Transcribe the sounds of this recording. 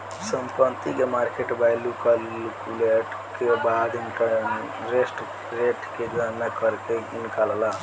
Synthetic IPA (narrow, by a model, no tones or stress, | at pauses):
səmpənt̪ikemaɾkeʈbajlukəlukuleʈ | kebad̪inikə | ɾesʈ | ɾeʈked͡ʒanːakəɾkeinikalala